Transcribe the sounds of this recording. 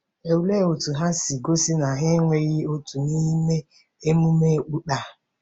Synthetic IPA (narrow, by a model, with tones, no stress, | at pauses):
e˨wle˦o˨tu˨ɦa˦si˨ɡo˦si˦na˨ɦɪ˦ŋʷe˦ɣɪ˦o˦tu˨ni˦me˦ | e˦mu˦me˦˨k͡pu˦ɗa˨